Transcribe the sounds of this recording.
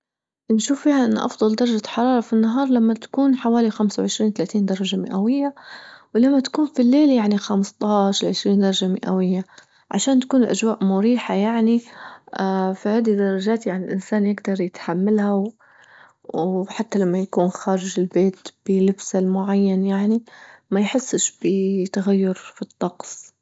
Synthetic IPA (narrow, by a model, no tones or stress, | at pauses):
nʃuːfːiːhaʔɪn̰ːʔɑ̰fd̪ˤɑld̪ɑɾˤɑd͡ʒaħɑɾˤɑːɾˤɑfinːaɦɑːɾˤlamːat̪ḁkuːnħawaːlixamsawʕɪʃɾiːnt̪alaːt̪iːnd̪ɑɾˤɑʒamɪʔawɪjːawlamːat̪ḁkuːnfilːeːljaʕnixamɪst̪ˤɑːʃlʕɪʃɾiːnd̪ɑɾˤɑd͡ʒamɪʔa̰wɪjːa | ʕa̰ʃaːnt̪ḁkuːnɪlʔaʒwaːʔmʊɾiːħajaʕniafihaːd̪id̪ɑɾˤɑd͡ʒaːt̪jaʕnilʔɪnsaːnjɪɡd̪ɑɾˤjɪt̪ħamːalha | ħat̪ːalamːajakuːnxaːɾɪʒɪlbeːt̪b̥ɪlɪbsalmʊʕajːanjaʕnimajħɪsːʃb̥ɪt̪aɣajːʊɾfit̪ˤːɑqsˤ